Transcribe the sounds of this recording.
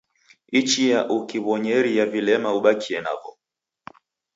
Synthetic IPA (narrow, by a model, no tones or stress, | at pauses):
it͡ʃijaʔukiβɔɲɛɾijavilɛmauɓakʰiɛna̰vɔ